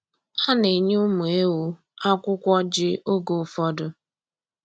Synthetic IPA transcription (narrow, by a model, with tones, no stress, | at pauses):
ha˦ne˨ɲ˦ʊ˦mu˨e˦wu˦ | a˦kʷʊ˦kʷɔ˦d͡ʒɪ˦ʔo˦ɡo˨fɔ˦dʊ˦